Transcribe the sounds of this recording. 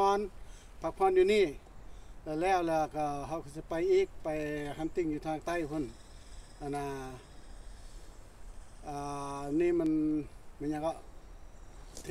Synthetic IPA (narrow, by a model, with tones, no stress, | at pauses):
ɔ˧˥˨n | pʰa˧k̚pʰɔː˧˥˨njuː˧niː˧˩˨ | la˧lɛː˧˩˨wla˧˩ka˧˩ɦa˧˩wkʰa˧˩s̬i˧pa˧jʔiː˧˥˩k̚pa˨jha˧˥˨nt̪i˧˩ŋjuː˧˩t̪ʰaː˧ŋt̪a˧˥˨jpʰɯ˧˥˨n | ʔa˧˩˨na˧˩ | ʔaː˧˩niː˧˨mɛ˧˥˨nma˧˨ɲa˧˨kɔ˧˨ʔ | t̪ʰ